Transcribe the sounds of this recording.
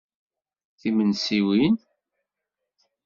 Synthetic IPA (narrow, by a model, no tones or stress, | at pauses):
θimənsiwin